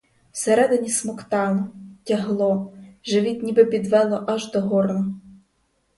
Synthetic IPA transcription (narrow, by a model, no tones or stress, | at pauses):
seɾɛd̪ɪnʲismɔkt̪ɑlˠɔtʲɐɦlˠɔʒɪʋʲit̪ʲnʲibɪpʲid̪ʋɛlˠɔʔɑʒd̪ɔɦɔrnɔ